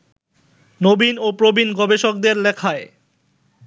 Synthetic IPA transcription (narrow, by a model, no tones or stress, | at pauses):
nobinopɾobinɡɔbeʃok̚d̪eɾlɛkʰae